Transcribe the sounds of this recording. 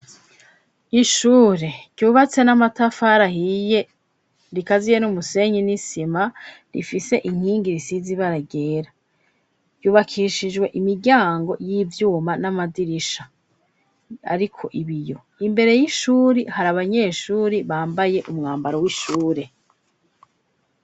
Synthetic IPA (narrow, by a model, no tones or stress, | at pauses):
iʃuːɾe̞ɟ̥uːβat͡se̞namatafaɾahije̞ | ɾikazijenumuse̞ɲinisima | ɾḭfise̞ʔiŋ̥hiːŋɡiɾisiziβaɾaɡe̞ːɾa | juːβakʰiʃid͡ʒwe̞ʔimiɾɟaːŋɡo̞jiːvjuːmanamadiɾiʃa | a̰ɾikʰo̞ʔiβijo̞ | imbe̞ɾe̞jiʃuːɾihaɾaβaɲe̞ʃuːɾiβaːmbaje̞ʔumŋaːmbaɾowiʃuːɾe̞